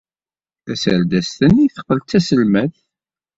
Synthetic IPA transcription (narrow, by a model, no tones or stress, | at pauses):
æsæɾd̪æst̪əniθə̥qːəlt̪ːæsəlmæθ